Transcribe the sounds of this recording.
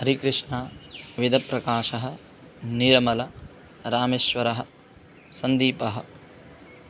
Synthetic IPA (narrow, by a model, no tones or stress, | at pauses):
ɦɐɾikɾɪʂɳɐʋid̪ɐpɾɐkaːʃɐɦɐ̆ | niɾɐmɐlɐ | ɾaːmeːʃʋɐɾɐɦɐ̆ | sɐnd̪iːpɐɦɐ̆